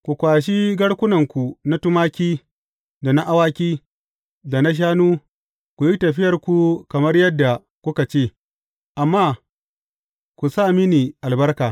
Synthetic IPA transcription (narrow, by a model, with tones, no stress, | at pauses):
kʷu˨kʷaː˨ʃ̬i˦ɡɐ˦ɽkʷʊ˦nɐ˨ŋkʷu˨na˦tʊ˦maː˦kʲiː˦ | da˨na˦ʔa˦waː˦kʲiː˦ | da˨na˦ʃ̬aː˦nuː˦ | kʷu˨ji˦tɐ˨ɸɪ˦jɐ˨rkʷu˨kɐ˨mɐ˦rjɐ˦dːa˨ | kʷʊ˦ka˨t͡ʃeː˦˨ | ʔa˨mːaː˦ | ku˨sa˦˨mi˦niː˨ʔa˨lbɐ˦rkaː˨